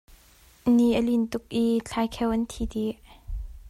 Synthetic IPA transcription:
niʔəlint̪ʊk̚ʔit͡ɬʰajkʰɛwʔənt̪ʰit̪iʔ

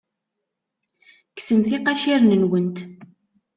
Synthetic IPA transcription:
ksəmθiqɑʃiɾnənwənt̪

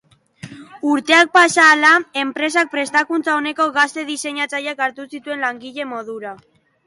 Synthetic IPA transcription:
uɾt̪e̞ak̚pasaːlae̞mpɾe̞s̬ak̚pɾe̞st̪akunt͡sao̞ne̞ko̞ɣast̪e̞ðise̞ɲat͡sajakaɾt̪usit̪ue̞nlaŋɡiʎe̞mo̞ð̞uɾa

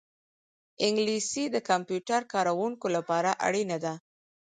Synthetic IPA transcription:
ɪŋɡlisid̪əkampjuʈaɾkɑɾawuŋkolapɑɾaʔa̰ɽinad̪a

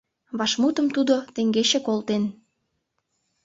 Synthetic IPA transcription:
βɑʃmut̪əmt̪ud̪ot̪eŋɡeɕekolt̪en

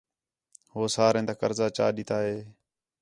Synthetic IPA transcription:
ɦoːsaːɾẽːnt̪aːkəɾzaːt͡ʃa̰ːɗiːt̪aːɦeː

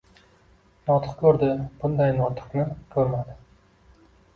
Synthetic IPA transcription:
nɒt̪ʰɨ̥qkʲʰɵɾd̪ɪb̥ʊnd̪ajnɒt̪ʰɨ̥qnɪkʲʰɵɾmad̪ɪ

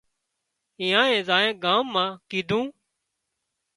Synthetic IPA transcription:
ĩːãːẽːzaːẽːɡaːmːãːkiːd̪ʱũː

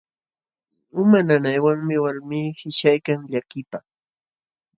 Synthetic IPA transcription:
ʊmananajwaŋmɪwaɾmiːhɪʃajkaŋʎakɪpa

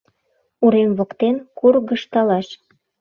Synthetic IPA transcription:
uɾemβokt̪enkurɣəʃt̪ɑlɑʃ

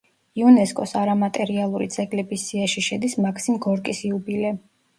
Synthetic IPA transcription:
iunɛskʼɔsaɾamat̪ʼɛɾialˠuɾid̪z̥ɛɡlɛbisːiaʃiʃɛd̪ismakʰsimɡɔɾkʼisiubilɛ

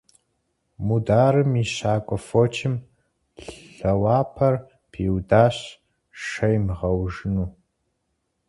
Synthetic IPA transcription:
mudaːɾɨmiɕaːkʷʼɔfoːt͡ʃʰɪm | ɬɐwaːpʰɐr | pʰiːwdaːɕ | ʂɐjmʁɐwʒɨnuː

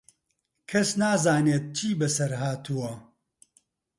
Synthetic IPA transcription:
kʰɐsnaːzaːneːt̪̚t͡ʃʰiːbɨsɐɾɦaːt̪ʰuwɐ

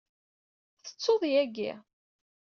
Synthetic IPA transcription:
θə̥t͡sːoðˤjæɡḭ

